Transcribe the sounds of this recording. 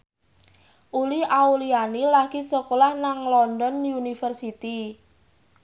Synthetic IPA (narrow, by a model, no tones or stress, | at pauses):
ʔuliaulianilaɡ̥isɔkolahnaŋlɔndɔnjunifərsit̪i